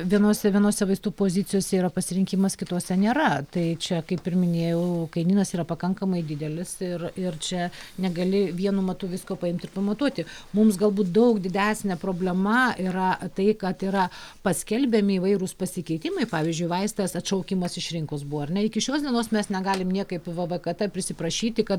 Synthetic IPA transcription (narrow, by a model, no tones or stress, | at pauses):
ʋʲiɛnoːsʲɛʋʲiɛnoːsʲɛʋɐɪst̪uːpoːzʲɪt͡sʲɪjoːsʲɛiːɾɐpɐsʲɪɾʲɪŋʲkʲɪmɐskʲɪt̪oːsʲɛnʲeːɾɐt̪ɐɪt͡ʃʲɛkɐɪpʲɪrmʲɪnʲeːjɛʊkɐɪnʲiːnɐsiːɾɐpɐkɐŋkɐmɐɪd̪ʲɪd̪ʲɛlʲɪsɪrɪrt͡ʃʲɛnʲɛɡɐlʲɪʋʲiɛnuːmɐt̪uʋʲɪskoːpɐɪmʲt̪ʲɪrpɐmɐt̪uɔt̪ʲɪmʊms̬ɡɐlˠbuːt̪̚d̪ɐʊkd̪ʲɪd̪ʲæːsʲnʲɛpɾoːbʲlʲɛmɐiɾɐt̪ɐɪkɐt̪iːɾɐpɐsʲkʲɛlʲbʲɛmʲɪːʋɐɪɾʊspɐsʲɪkʲɛɪt̪ʲɪmɐɪpɑːʋʲiɪzʲd͡ʒʲʊɪʋɐɪst̪ɐsɐtʃɐʊkʲɪmɐsɪʃɾʲɪŋkosbuʋoɐrnʲɛɪkʲɪʃʲoːsd̪ʲiɛnoːsmʲɛsnʲɛɡɑːlʲɪmnʲiɛkɐɪpʋɐʋɐkɐt̪ʲɐpʲɾʲɪsʲɪpɾɐʃʲiːt̪ʲɪkɐt̪